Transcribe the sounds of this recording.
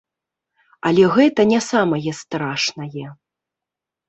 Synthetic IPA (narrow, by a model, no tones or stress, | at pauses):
ɐlʲɛɣɛt̪ɐnʲɛsamɐjɛst̪ɾaʂnɐjɛ